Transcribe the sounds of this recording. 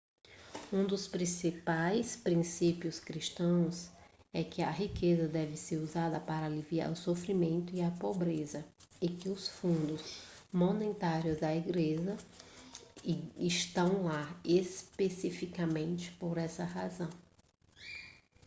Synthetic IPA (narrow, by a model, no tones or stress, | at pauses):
ũd̪ʊspɾĩsipajspɾĩsipiʊskɾiʃt̪ɐ̃w̃sɛkɪɐɦikezɐd̪ɛvɪseɾuzad̪ɐpaɾɐaːlivia̰ɾʊsofɾimẽnt̪ʊiɐpobɾezɐ | ɪkɪʊsfũnd̪ʊzmonẽt̪aɾjʊzd̪ɐiɡleʒɐ | ɪʃt̪ɐ̃w̃laespesifikamẽnt͡ʃɪ̥poɾɛsɐɦazɐ̃w̃